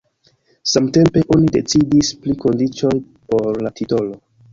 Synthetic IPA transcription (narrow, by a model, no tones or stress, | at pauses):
samte̞mpe̞ʔo̞nide̞t͡sidispliko̞ndit͡ʃo̞j | po̞ɾlatito̞lo̞